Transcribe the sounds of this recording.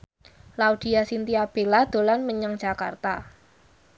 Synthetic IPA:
laud̪̥i̤asint̪iab̥elad̪̥o̤lanməɲaŋ̥ʒ̥a̤ka̰rt̪a̰

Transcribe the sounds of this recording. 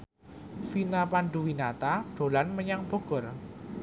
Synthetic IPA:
finapanɖ̪uwinat̪aɖ̥o̤lanməɲaŋb̥o̤ɡ̥ɔ̤r

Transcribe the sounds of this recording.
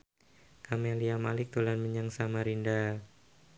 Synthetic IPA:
kameliamalɪk̚t̪ulanməɲaŋsamaɾinda

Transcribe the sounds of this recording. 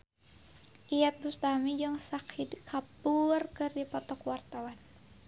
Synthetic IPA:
ʔijat̪̚bust̪amid͡ʒɨŋsakʰidkʰapurkɨrdipɔt̪ɔkwart̪awan

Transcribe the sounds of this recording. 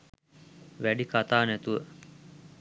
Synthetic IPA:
ʋæɖikat̪aːnæt̪uʋə

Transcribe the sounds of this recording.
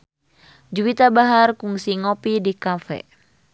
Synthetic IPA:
d͡ʒuwit̪abaɦarkuŋsiŋɔpidikafɛ̰

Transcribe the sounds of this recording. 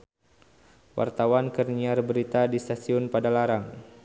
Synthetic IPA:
wa̰rt̪awankərniarbəɾit̪adist̪asiʊnpadalaɾaŋ

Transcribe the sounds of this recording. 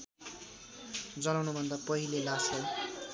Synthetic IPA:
d͡zʌnawnubʱʌnd̪apʌɦilelasʌj

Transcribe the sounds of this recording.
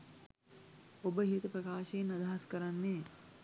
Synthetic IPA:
obəɦiət̪əpɾɐkaːʃeenːad̪aɦaskəɾanːeː

